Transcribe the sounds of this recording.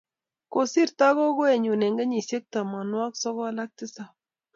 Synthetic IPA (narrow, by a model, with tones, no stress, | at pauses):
ko˨si˦ɾta˦kɔ˦ko˦e˨ɲu˨ne˨ŋɡe˦ɲi˨sje˦k̚ta˨ma˨nwa˦ksɔ˦kɔ˦la˦k̚ti˦sa˨